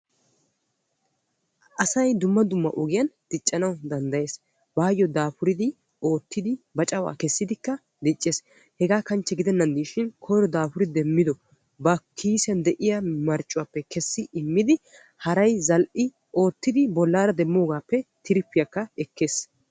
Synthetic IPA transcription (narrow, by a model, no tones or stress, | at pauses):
ʔɐsɐjd̪ʊmːɐd̪ʊmːɐ̰ʔɔɡɪjɐnd̪̥ɪt͡ʃʼːɐnɐwd̪ɐnd̪ɐje̞ːs | baːjɔd̪aːfʊɾɪd̪ɪ | o̞ːt̪ːɪd̪ɪbɐt͡ʃʼɐwa̰ːkɛsːɪd̪ɪkːɐ | d̪ɪt͡ʃʼːeːs | hɛɡaːkɐnt͡ʃːɛɡɪd̪ɛnːɐnd̪iːʃɪnkʰɔjɾɔd̪aːpʊɾɪd̪ɛmːɪd̪ɔ | bɐkʰiːsɛnd̪ɛʔɪjamɐɾt͡ʃʼːʊwaːpːɛkɛsːɪʔɪmːɪd̪ɪ | hɐɾɐjzɐlʔɪ | o̞ːt̪ːɪd̪ɪbɔlːaːɾɐd̪ɛmːo̞ːɡaːpːɛt̪ʰɪɾɪpːɪjɐkːɐɛkːe̞ːs